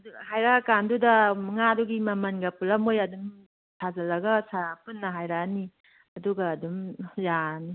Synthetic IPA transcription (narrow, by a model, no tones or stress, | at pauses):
ɐduɦajɾakandudɐmŋaduɡimɐmɐnɡɐpulɐmojɐdum | tʰazɐlɐɡɐsapunːɐɦajɾani | ɐduɡaːdumjani